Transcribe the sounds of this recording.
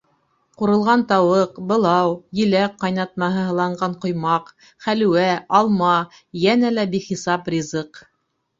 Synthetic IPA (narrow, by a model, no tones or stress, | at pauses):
quɾɤ̆lˠʁɑnt̪ɑwɤqbɤ̆lˠɑwjɘ̆læk̚qːɑjnɑt̪̚mɑɦɤɦɤ̆lˠɑɴɢɑɴqŏjmɑq | χælʉ̆wæɑlˠmɑ | jænælæbiχisɑprʲizɤq